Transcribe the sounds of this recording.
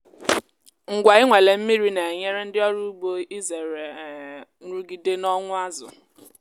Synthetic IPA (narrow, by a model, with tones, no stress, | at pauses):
ŋ̩˨ɡʷa˨ɪ˦ŋʷe˨le˨m̩˦mi˦ɾi˦ne˨ɲe˦ɾe˦n̩˦dɪ˦ɔ˦ɾu˦bo˦i˦ze˨ɾe˨n̩˦ɾu˦ɡi˦de˦nɔ˦ŋʷʊ˦a˦zʊ̰˨